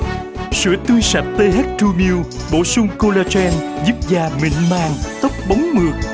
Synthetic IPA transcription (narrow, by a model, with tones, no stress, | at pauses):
sɨ̰˧˩ət̪wi˧sa˨˩t̚t̪e˧ɦɛ˦˥t̚t̪u˧mi˧w | ɓo̰˧˨sʊ˧ŋ͡mko˧laː˧t͡ɕɛ˧nzu˦˥p̚zaː˨˩mḭ̈˧˨ŋ̟maː˨˩ŋt̪ə˦˥k͡p̚ɓa˨˦wŋ͡mmɨ˨˩ək̚